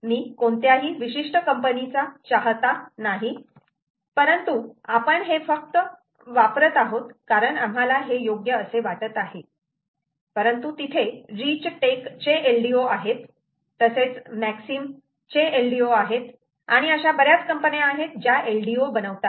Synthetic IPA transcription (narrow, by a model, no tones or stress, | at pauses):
miːkoɳt̪jaɦiːʋiɕiʂʈəkəmpənit͡sat͡ɕaɦt̪anaɦi | pəɾənt̪uapəɳɦefək̚t̪ə | ʋapɾət̪aɦot̪kaɾəɳam̤alaɦejoɡjəːseʋaʈət̪aɦe | pəɾənt̪ut̪it̪ʰeɾit͡ɕʈekt͡ɕeʔelɖioaɦet̪ː | əset͡smæksim | t͡ɕeelɖioaɦet̪ | a̰ɽ̃iəɕabəɾjat͡skəmpənjaːɦet̪̚d͡ʑjaʔelɖiobənəʋt̪a